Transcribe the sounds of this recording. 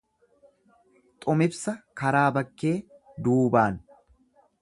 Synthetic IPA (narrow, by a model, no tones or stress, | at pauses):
t̪ʼʊmɪbsɐkɐɾaːbɐkːe̞ː | d̪uːbaːn